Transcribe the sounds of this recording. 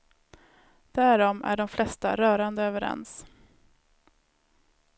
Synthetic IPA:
d̪̥æɾɔmæ̰ɖɔmflɛst̪a̰ɾœːɾand̪əøːvəɾɛ̰ns

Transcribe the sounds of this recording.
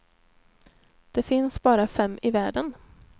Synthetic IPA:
d̪̥ɛfɪnsbɑːɾafɛmːʔɪvæːɖən

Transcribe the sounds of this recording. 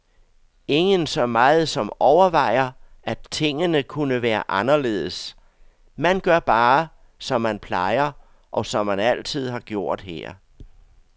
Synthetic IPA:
e̝ŋənsɒ̽mɑ̈ːð̞̩ˠsɒ̽mɒʊɐʋɑ̈ɪ̰ɐ | æt͡sʰe̝ŋ̰ənəkʰunəʋæːɐʔɑ̈nɐle̝ːð̞̩ˠs | mænɡ̥ɶɐb̥ɑː | sɒ̽mːænpʰlɑ̈ɪɐ | ʔɒ̽sɒ̽mːænæl̰t͡sʰið̞̰ˠɦɑ̈ɡ̥jo̝ɐ̰d̥hæ̰ɐ̰

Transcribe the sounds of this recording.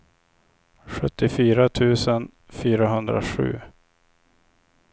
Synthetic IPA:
ɧɵt̪ːɪfyːɾat̪ʰʉ̟ːsən | fyːɾaɦɵnd̪ɾa̰ɧʉ̟̰ː

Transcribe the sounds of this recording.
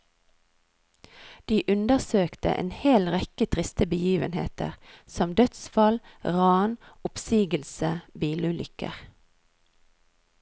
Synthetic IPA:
d̪̥iːʔʉnd̪əʁsøːkt̪ə̰ʔḛːnheːlʁɛkət̪ʰʁɪst̪əbəjiːʋənhḛːt̪ə̰ʁsɔmd̪œt̪sfɑlʁɑːnʊpsiːɡəlsəbiːlʉlʔʏkə̰ʁ

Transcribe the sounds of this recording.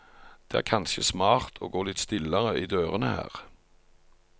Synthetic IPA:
d̪̥eːæ̰ːʁkʰɑnʃəsmɑːʁt̪ʰo̰ːɡoːlɪt̪st̪ɪləʁəʔiːd̪øːʁənəhæ̰ːʁ

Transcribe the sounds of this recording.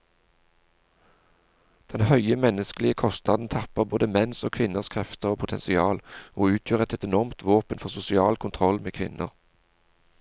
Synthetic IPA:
d̪̥ɛnhœʏəmɛnəskəlɪəkʰɔst̪nɑd̪n̩t̪ʰɑpəʁboːd̪əmɛnsoːkʰʋɪnəʁskʰʁɛft̪əʁoːpʰʊt̪ʰɛ̰nsɪɑːloːʉːt̪ʰjøːʁɛt̪ɛt̪ɛnɔʁmt̪ʰʋoːpənfɔʁsʊsɪɑːlkʰʊnt̪ʰʁɔlmeːkʰʋɪnʔə̰ʁ

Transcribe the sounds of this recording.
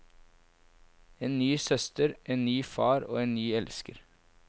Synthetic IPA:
eːnnyːsœst̪əɾʔeːnnyːfɑːɾo̰ːeːnnyːɛlskəɾ

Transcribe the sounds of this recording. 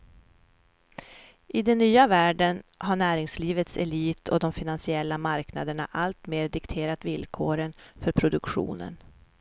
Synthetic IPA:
ʔɪd̪ɛnːyːavæːɖənhaɳæːɾɪŋsliːvət̪sɛliːt̪ʰɔd̪ɔmfɪnansɪɛlːamaɾkna̰d̪əɳa̰ʔalt̪meːɾd̪ɪkt̪ʰeːɾat̪vɪlkʰoːɾənfœɾpʰɾʊd̪ɵkɧṵːnə̰n

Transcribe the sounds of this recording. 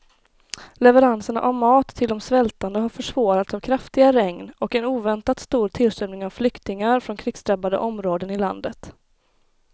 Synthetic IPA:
lɛvəɾansəɳa̰ʔavmɑːt̪ʰːɪld̪ɔmsvɛlt̪and̪əɦaɾfœʂv̥ɑːɾat̪savkʰɾaft̪ɪɡaɾɛŋnɔkɛnuːvɛnt̪at̪st̪uːɾt̪ʰɪlsœmnɪŋavflʏkt̪ɪŋaɾfɾɔnkʰɾɪɡst̪ɾɛbad̪ə̰ʔɔmɾoːd̪ənɪla̰nd̪ət̪

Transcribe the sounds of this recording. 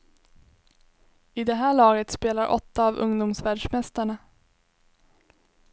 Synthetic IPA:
ɪd̪ɛɦæːɭɑːɡət̪speːlaɾʔɔ̰t̪ːaːvɵ̰ŋd̪ʊmsvæːɖʂmɛst̪aɳa

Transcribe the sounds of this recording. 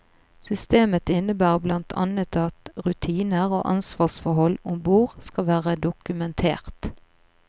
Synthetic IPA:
sʏst̪eːmət̪ɪnəbæːʁblɑnt̪ʰɑ̰nət̪ɑt̪ʁʉt̪ʰiːnəʁo̰ːʔɑ̰nsʋɑːsfɔɦɔlʊmbuːʁskɑʋæːʁəd̪ʊkʉmɛnt̪ʰḛːʁt̪

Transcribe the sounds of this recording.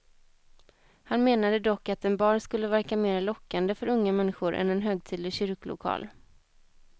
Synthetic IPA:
hanmeːnad̪əd̪ɔkːat̪ɛnbɑːɳskɵlːəvæɾkameːɾalɔkːand̪əfœɾɵŋːamɛnːɪɧʊɾʔɛ̰nɛnɦøːɡ̚t̪ʰiːd̪lɪɕʏɾkəlʊ̰kʰɑ̰ːl

